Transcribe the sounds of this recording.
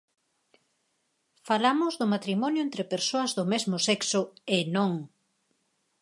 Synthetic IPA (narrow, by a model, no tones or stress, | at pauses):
falamʊzðʊmat̪ɾimɔnjʊent̪ɾepeɾsoɐzðʊmezmʊsɛksʊenõŋ